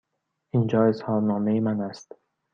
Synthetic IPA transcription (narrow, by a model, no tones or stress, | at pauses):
ʔind͡ʒɒːe̞shɒːɾnɒːmejemænæst̪